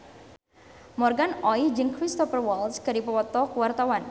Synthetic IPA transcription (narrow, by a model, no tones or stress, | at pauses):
mɔrɡanɔid͡ʒɨŋkɾist̪ɔfərwɔlskaɾipɔpɔt̪ɔkuwart̪awan